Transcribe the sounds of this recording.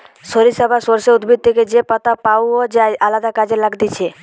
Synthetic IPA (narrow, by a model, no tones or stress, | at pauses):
ʃoɾisɔbʱasoɾseud̪bʱid̪̚t̪ʰːeked͡ʑepat̪apawod͡ʑaeʔalad̪akad͡ʑelaɡd̪it͡ʃʰe